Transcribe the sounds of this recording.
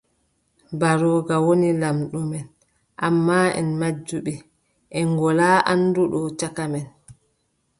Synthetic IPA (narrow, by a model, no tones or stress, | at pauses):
baɾɔːɡawonilamɗumɛn | ʔamːaːɛ̰nmad͡ʒːuɓɛ | ʔɛŋɡɔlaːʔanduɗɔt͡ʃakamɛn